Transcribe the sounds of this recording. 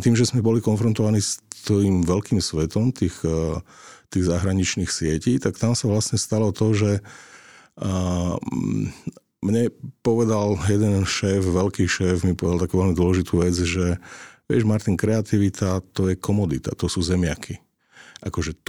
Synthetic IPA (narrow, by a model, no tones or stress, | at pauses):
t̪iːmʒɛzmɛbɔlikɔnfɾɔnt̪ɔʋaniːst̪imʋɛlkiːmsʋɛt̪ɔmt̪iːx | t̪iːɣzaɦɾaɲit͡ʃniːxsɪɛciːt̪akt̪amsaʋlasɲɛst̪alɔt̪ɔʒɛ | mɲɛpɔʋɛd̪aljɛd̪ɛnʃɛːfʋɛlkiːʃɛːfmipɔʋɛd̪alt̪akuːʋɛlmid̪ʊɔlɛʒit̪uːʋɛd͡zʒɛʋɪɛʒmaɾt̪iŋkɾɛat̪iʋit̪ʰat̪ɔjɛkʰɔmɔd̪it̪a̰t̪ɔsuːzɛmɪakʰi | ʔakɔʒɛ